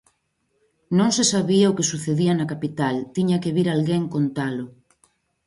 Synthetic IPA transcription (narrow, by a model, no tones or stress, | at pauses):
nõŋsesaβiaokesuθeðianakapit̪alt̪iɲakeβiɾalɣeŋkont̪alʊ